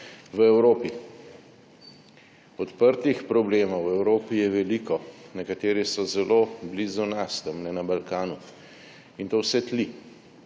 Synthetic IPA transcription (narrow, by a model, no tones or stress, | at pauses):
ʋəɛwɾoːpi | ɔt̪pəɾt̪ixpɾɔbleːmɔwɛwɾoːpijɛʋɛliːkɔnɛkat̪eːɾisɔzɛlʔoblizunast̪əmnɛnabalkaːnu | int̪owsɛt̪li